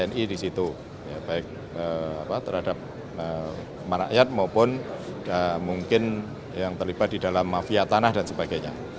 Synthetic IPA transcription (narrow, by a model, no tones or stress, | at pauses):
ɛnidisit̪u | jab̥aɪk̚ | əapat̪əɾhadap̚ | ə | məɾa̰ʔjat̪̚maupʊnamuŋkɪn | jaŋt̪ərlib̥at̪̚didalamːafiat̪anahdansəbaɡaɲa̰